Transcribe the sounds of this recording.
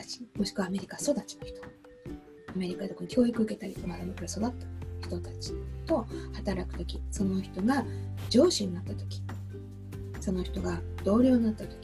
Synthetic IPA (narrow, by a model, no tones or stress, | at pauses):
at͡ɕi̥mo̞ɕi̥kɯ̟βaːme̞ɾʲikaso̞d̪at͡ɕi̥noçi̥t̪o̥ | ame̞ɾʲikad̪e̞konːkʲo̞ːikɯ̟ɯ̟ke̞t̪aɾʲit̪omad̪amokoɾaso̞d̪at̪ːḁçi̥t̪o̞t̪at͡ɕi̥t̪o̞hat̪aɾakɯ̟̥t̪o̞kʲiso̞no̞çi̥t̪o̞ɡad͡ʑo̞ːɕiɲ̟inat̪ːat̪o̞̥kʲi̥ | so̞no̞çi̥t̪o̞ɡad̪̥o̞ːɾʲjo̞ːɲ̟inat̪ːat̪o̥kʲi̥